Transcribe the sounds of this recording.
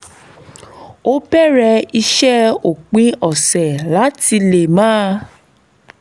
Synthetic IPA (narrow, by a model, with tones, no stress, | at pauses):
o˦bɛ˦˨ɾɛ˧˦i˧ʃɛ˦o˨k͡pĩ˧ɔ˨sɛ˨la˨˦ti˧le˨mãː˦˧